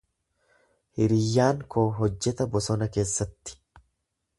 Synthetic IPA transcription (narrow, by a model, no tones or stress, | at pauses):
hɪɾɪjːaːŋkʰoːɦɔd͡ʒːɛt̪ɐbɔsɔnɐke̞ːsːɐt̪ːɪ̥